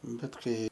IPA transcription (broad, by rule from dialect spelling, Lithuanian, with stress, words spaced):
ˈbʲɛt ˈkɐɪ